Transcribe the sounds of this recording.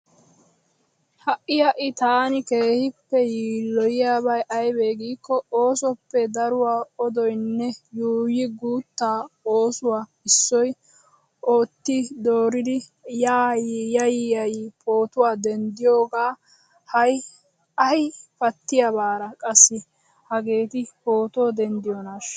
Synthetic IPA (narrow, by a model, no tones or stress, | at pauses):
hɐʔɪjɐʔɪt̪aːnɪke̞ːhɪpːɛjiːlːɔjɪjaːβɐjʔɐjbe̞ːɡiːkːɔoːsɔpːɛd̪ɐɾʊwaːɔd̪ɔjnːɛjuːjɪɡuːt̪ːaːoːsʊwaː | ɪsːɔj | ʔoːt̪ːɪd̪oːɾɪd̪ɪ | jaːjjɐjijɐjipʰo̞ːt̪ʊwaːd̪ɛnd̪ɪjo̞ːɡaː | hɐj | ɐjpɐt̪ːɪjɐbaːɾɐkʼɐsːɪ | hɐɡe̞ːt̪ɪpo̞ːt̪oːd̪ɛnd̪ɪjɔnaʃ